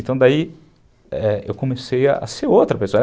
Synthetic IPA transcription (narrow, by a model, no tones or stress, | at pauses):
t̪ɐ̃w̃d̪ai | ɛḛwkõmeseja̰a̰seɾowt̪ɾɐpesoɐ